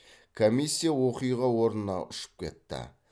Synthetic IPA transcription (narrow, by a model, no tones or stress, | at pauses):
kʰomisʲːijawo̞qijʁɑwo̞ɾnənɑ̰ʊʃə̥p̚kʲʰe̞̰t̪ːɪ̰